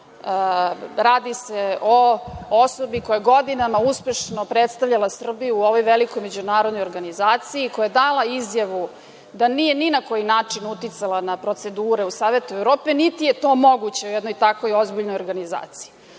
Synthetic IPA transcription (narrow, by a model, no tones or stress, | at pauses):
ɾaːd̪iseooso̞biko̞jaɡo̞d̪inamauspeʃnopɾet̪st̪aʋʎalasr̩bijuːo̞ʋojʋeliko̞jme̞d͡ʑunaːɾo̞d̪no̞joɾɡanizaːt̪siikojajed̪alaizjaʋu | d̪anije̞ninako̞jinaːt͡ʂinut̪it̪salanapɾo̞t̪se̞d̪uːɾe̞usaːʋe̞t̪uevɾo̞ːpe̞nit̪ijet̪o̞mo̞ɡut͡ɕe̞ujɛd̪nojt̪akʋojo̞zbiʎnojo̞ɾɡaniza̰ːt̪si̥i